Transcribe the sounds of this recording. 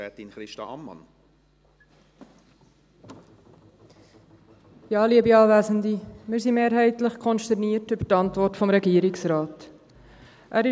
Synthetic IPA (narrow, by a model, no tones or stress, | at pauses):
ɛt̪inχɾɪʃtɑ̰ɑ̰mːɑ̰n | jɑːliəbiɑːvæːzəndimɪːɾsimeːɾɦɛɪtləχkʰɔnʃtɛrniːrtybətɑntvɔrtfɔmɾɛɡiːəɾɪksrɑːt | ʔæɾɪ